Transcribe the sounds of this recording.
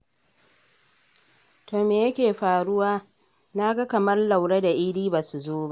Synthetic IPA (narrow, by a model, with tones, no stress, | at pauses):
toː˨meː˨jɐ˦kʲeː˨ɸaː˨ɽʊ˦waː˦ | na˦ɡa˦kɐ˨mɐ˦rla˨wɽe˦da˨ʔɪ˦ɽiː˦baː˨su˨zoː˦ba˦ʔ